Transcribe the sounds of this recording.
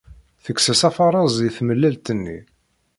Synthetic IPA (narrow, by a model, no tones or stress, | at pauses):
θəksəsæfɑɾˤɑzˤiθməlːælt̪ənːḭ